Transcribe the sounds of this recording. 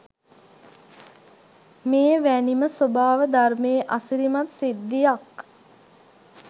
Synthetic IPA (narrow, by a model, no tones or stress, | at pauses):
meːʋæniməsobaːʋəd̪armeːʔasiɾimat̪sid̪ːijak